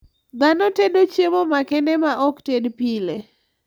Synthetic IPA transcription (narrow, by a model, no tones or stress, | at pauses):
d̪anɔtedot͡ʃjemomakɛndɛmaʔɔktedpile